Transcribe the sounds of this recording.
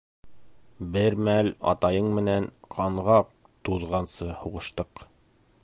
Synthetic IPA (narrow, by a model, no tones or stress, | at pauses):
bɘɾmælɑ̰t̪ɑjɤɴmɘ̆nænqʰɑɴʁɑq | t̪uðʁɑnsɤhuʁɤ̆ʃt̪ɤq